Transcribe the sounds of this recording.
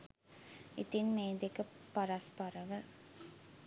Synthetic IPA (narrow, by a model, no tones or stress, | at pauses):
it̪inmeːd̪ekəpɐɾɐspɐɾɐʋə